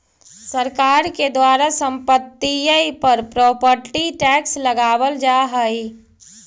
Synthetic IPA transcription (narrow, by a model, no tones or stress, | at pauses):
səɾkaːɾked̪waːɾasə̃mpət̪ːijəipəɾpɾɔːpəɾʈiʈɛːksləɡaːwəld͡ʒaɦəi